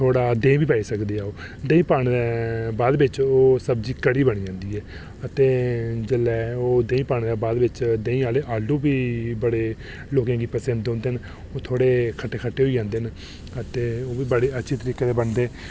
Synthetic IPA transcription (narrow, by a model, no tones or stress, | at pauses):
t̪ʰoːɽaːd̪ẽːbiːpaːiːsəkd̪eːaːoː | d̪ẽːĩːpaːnd̪ɛːbaːd̪bɪt͡ʃoːsəbd͡ʒiːkəɽiːbəɽ̃iːd͡ʒãːnd̪iːɛː | ət̪eːd͡ʒəlːɛːoːd̪ẽːĩːpaːɳ̃d̪aːbaːd̪ʋɪt͡ʃd̪ẽːĩːaːleːʔaːlũːbiːbəɽeː | loːkãːɡiːpəsẽːɦnd̪eõːnd̪eːn | oːt̪ʰoːɽeːkʰəʈːeːkʰəʈːeːɦoiːd͡ʒãːnd̪eːɦn | ət̪eːoːʋiːbəɽeːətːʃʰiːt̪əɾiːkeːt̪eːbəɳd̪eː